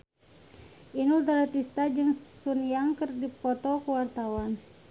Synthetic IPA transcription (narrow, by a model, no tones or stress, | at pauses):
ʔinuld̪aɾat̪ist̪ad͡ʒɨŋsuniaŋkərdipɔt̪ɔkəwart̪awan